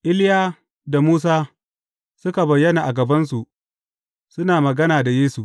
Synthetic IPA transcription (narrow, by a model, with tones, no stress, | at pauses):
ʔɪ˦ljaː˦ | da˨muː˦s̬aː˦ | sʊ˦ka˨bɐ˨jːɐ˦naː˨ʔa˨ɡɐ˨bɐ˦nsu˨ʔ | sʊ˦naː˨mɐ˨ɡɐ˦naː˨da˨jeː˦su˨ʔ